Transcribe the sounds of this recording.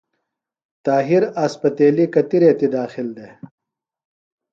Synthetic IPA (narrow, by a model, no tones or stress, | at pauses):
t̪aːɦiɾɐspɐt̪eːlikɐt̪iɾeːt̪id̪aːxɪld̪eː